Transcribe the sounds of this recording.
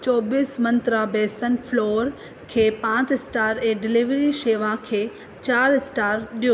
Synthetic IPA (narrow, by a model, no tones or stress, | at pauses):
t͡ɕɔːbiːsmɐ̃nt̪ɾabɛːsənflɔːɾ | kʰeːpãːt͡ɕɪsʈaːɾɛ̃ːɖɪliʋɾiʃeːʋãkʰeː | t͡ɕaːɾsʈaːɾɗijo